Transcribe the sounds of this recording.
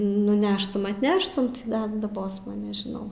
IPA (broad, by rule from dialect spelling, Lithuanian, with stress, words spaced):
nʊˈnʲæːʃtʊm ɐtʲˈnʲæːʃtʊm ˈdɐ dɐˈboːsmɐ nʲɛʒʲɪˈnɐʊ